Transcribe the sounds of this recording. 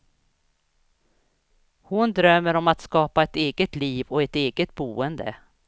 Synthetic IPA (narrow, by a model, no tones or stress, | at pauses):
hʊnd̪ɾœmːəɾɔmat̪skɑːpaɛt̪eːɡət̪liːvɔɛt̪eːɡət̪̚buːənd̪ə̰